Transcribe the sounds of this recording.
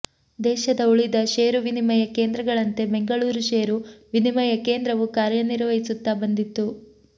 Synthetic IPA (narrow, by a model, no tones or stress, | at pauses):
d̪ɛːʃɐd̪ɐuɭid̪ɐʃeːɾuʋinimɐjɐkeːnd̪ɾɐɡɐɭɐnt̪e̞bɛŋɡɐɭuːɾuʃeːɾuʋinimɐjɐke̞ːnd̪ɾɐʋukaːɾjɐniɾʋɐɦisut̪ːabɐnd̪it̪ːu